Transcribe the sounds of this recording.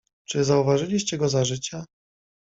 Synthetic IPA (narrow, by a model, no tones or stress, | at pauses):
t͡ʂɘzauvaʐɘlʲiɕt͡ɕɛɡɔzaʐɘt͡ɕa